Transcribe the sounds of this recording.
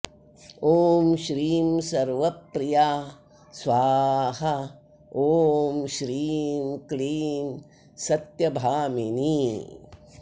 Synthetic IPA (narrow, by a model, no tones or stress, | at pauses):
oːmʃɾiːmsɐɾʋɐpɾijaː | sʋaːhɐ | oːmʃɾiːmkliːm | sɐt̪jɐbʱaːminiː